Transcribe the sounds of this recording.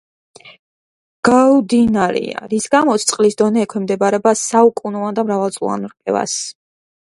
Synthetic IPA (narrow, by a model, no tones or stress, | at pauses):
ɡ̥aud̪inaɾḭa̰ɾisɡamɔt̪sʰt̪sʼqʼlisd̪ɔnɛːkʰwɛmd̪ɛbaɾɛbasaukʼunɔand̪amɾavalˠt̪sʼlˠɔ̰a̰nɾqʼɛ̰va̰s